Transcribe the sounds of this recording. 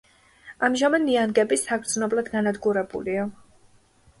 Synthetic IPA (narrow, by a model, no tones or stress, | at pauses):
amʒamɛd̪nianɡɛbisaɡɾd̪znɔblad̪ɡanad̪ɡuɾɛbṵlia